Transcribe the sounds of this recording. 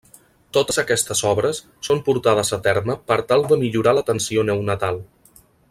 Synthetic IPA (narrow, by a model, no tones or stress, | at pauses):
t̪ot̪əzəkɛst̪əzɔβɾəsːompuɾt̪að̞əzət̪ɛrməpəɾt̪alˠd̪əmiʎuɾalət̪ənsionəwnət̪alˠ